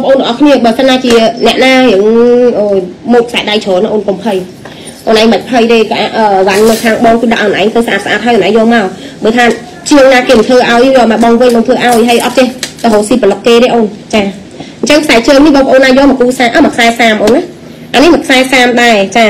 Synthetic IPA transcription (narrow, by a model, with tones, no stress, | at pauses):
ɑːŋpə̆ʔoː˧nlə˩˨ʔɑ˧kʰni˧əɓəː˨sənɗaː˧t͡ɕi˧ənɛ̆˩əʔnaː˧hi˩əŋʔoːjmoːt̚kʰsaɛɗa˧jt͡ɕʰɔː˨ln˧ʔoː˧nkompʰə˧j | ʔo̰ːnʔaː˧jŋɓə˩c̚pʰə˧jteː˧kaʔaːʔʔəː˨ʋa˨nːɨ˧kʰaː˧ŋɓɑː˧ŋkɨ˧ɗa̰ʔə˨nʔa˧ŋt̪ʰəːsʔaː˧t̪̚aʔa̰ː˧t̪̚ɦa˧jhɑ˨nʔa˨˧ŋjɔː˧maɔ | ɓəː˨t̪ʰaː˧ | t͡ɕi˧əŋnaː˧keːmə˨nt̪ʰəːʔaɔjjɔː˧ma˧˩ɓɑ˧ŋʋɨ˧ɲɓɑː˧ŋt̪ʰwəːʔaɔjɦəjʔɑt̪̚t͡ɕehlɔɦoː˨˩siːpə˨ləkkeː˧ɗeː˧ʔoːnt͡ɕaː˧ | ɲt͡ɕəŋkʰsaɛt͡ɕɨːŋnihɓɑː˧ŋpəʔoː˧nːaː˧jɔː˧mɔ˨˩kuːsaːʔəːmɔə˨˩kʰsa˧ɛsaːmpəʔoːna | ʔa˧nihmə˨˩kʰsa˧ɛsaː˧mɗaɛt͡ɕaː˧